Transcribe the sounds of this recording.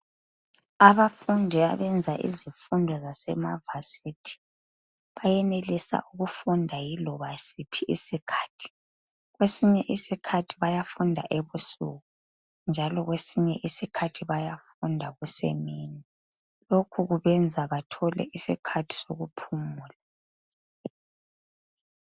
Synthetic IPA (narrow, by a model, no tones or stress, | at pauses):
aβafundʱia̰βɛnd͡zʱaʔḭzifundʱɔzasɛ̰ma̰vasitʰi̥ | βajɛnelisa̰ʔuɣufundʱajilɔβasipʰiʔisikʰḁːtʰi̥ | ɣwesiɲɛʔisikʰatʰiβajafundʱa̰ʔeβusṵɣu | nd͡ʒʱalɔɣwesiɲɛ̰ʔisikʰatʰiβajafundʱaɣusḛmini | lokʰuɣuβɛnd͡zʱaβatʰɔlɛ̰ʔisikʰatʰi̥soɣupʰumuːla